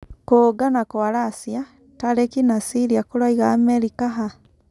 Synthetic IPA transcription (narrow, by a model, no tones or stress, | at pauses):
koːɡanakwaɾaːsja | taɾekinasiɾiakoɾaiɣaːmɛɾikaɦa